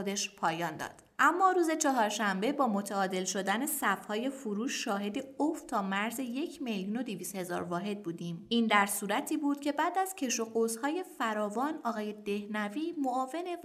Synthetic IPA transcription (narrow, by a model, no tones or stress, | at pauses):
od̪e̞ʃpʰɒːjɒːnd̪ɒ̰ːd̪̥ʔæmːɒːɾuːze̞t͡ʃʰɒɦɒːɾʃæmbe̞bɒːmo̞t̪ʰæɒːd̪e̞lʃo̞d̪æne̞sæfhɒːje̞fuɾuːʃːɒːɦe̞d̪e̞oft̪ʰɒːmæɾze̞je̞cʰme̞ljuːno̞d̪iviːst̪he̞zɒ̰ːɾvɒːɦe̞d̪̚buːd̪iːmiːnd̪æɾsuːɾæt̪ʰiːbuːd̪̥cʰe̞bæːd̪æz̥cʰe̞ʃoɡozhɒːje̞fæɾɒːvɒnɒːɣɒːje̞d̪e̞hnæviːmoɒːve̞ne